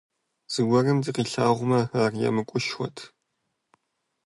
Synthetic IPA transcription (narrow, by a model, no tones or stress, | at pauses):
z̥ɨwʷɔrɨmzɨqiːɬaːʁʷʊmɐaːrjɛ̰mɨkʷʼʊʃxʷɔtʰ